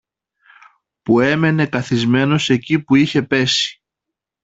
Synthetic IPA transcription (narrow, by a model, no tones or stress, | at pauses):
pue̞me̞ne̞kɐθizme̞no̞se̞cipuiçe̞pe̞si̥